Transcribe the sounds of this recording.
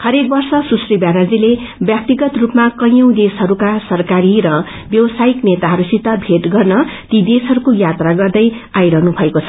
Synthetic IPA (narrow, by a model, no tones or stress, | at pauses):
hʌɾek̚bʌrsʌsusribjanad͡zilebjak̚t̪iɡʌt̪rupmakʌjʌw̃d̪esɦʌɾukasʌrkaɾiɾʌ | bjʌwʌsaiknet̪aɦʌɾusit̪ʌbʱeʈɡʌrnʌt̪id̪esɦʌɾukojat̪raɡʌrd̪ʌjajɾʌɦnubʱʌekot͡sʰʌ